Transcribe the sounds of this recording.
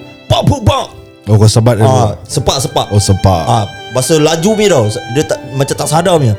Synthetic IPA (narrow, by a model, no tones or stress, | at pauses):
paʔpuʔbaʔ | okosabat̪̚asəpaʔsəpaʔosəpa̰ʔabasəlad͡ʒumĩdɔwsdət̪aʔmat͡ʃat̪aʔsadamĩ